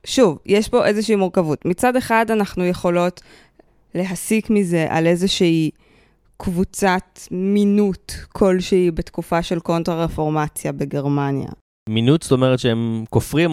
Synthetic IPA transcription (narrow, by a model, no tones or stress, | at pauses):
ʃuvjʔeʃpo̞ʔe̞zeʃeimuʁkavutmit͡sade̞χadanaχnuje̞χo̞lo̞t | le̞ɦasikmize̞ʔa̰le̞zeʃii | kvut͡satminutkʰo̞lʃeibet̪kufaʃe̞lko̞ntʁaʁefo̞ʁmat͡sjabeɡe̞ʁmanja̰ | minutsto̞meʁetʃeemkofʁim